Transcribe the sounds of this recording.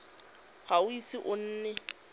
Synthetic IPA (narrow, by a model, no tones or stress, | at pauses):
ɣaʊisiʔʊn̩ːnɛ